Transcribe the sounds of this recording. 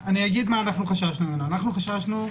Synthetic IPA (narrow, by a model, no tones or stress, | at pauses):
aniaɡid̪maːnaχnuχaʃaʃnumenanaχnuχaʃaʃnu